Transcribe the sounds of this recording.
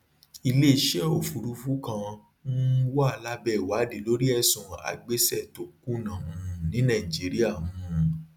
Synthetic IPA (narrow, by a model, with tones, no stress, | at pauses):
i˧le˦˨ʃɛ˦o˨fu˨ɾu˧˦fu˦kã˧ | nũ˦wɔ˦a˨˧˨la˦bɛ˦˨wa˨˦de˨lo˨˦ɾi˦ɛ˦˨sũ˨a̰˨ɡ͡be˦sɛ˦˨to˧ku˦nã˨ũ˧˦˧nĩ˨˦nã˦˨i˨d͡ʒi˨˦ɾi˦a˦˨mũ˨˧